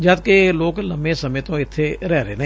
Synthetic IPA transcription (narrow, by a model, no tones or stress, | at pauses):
d͡ʒəd̪̚keloːkləmẽːsəmẽːt̪õːɪt̪ʰːeɾɛːɾḛːn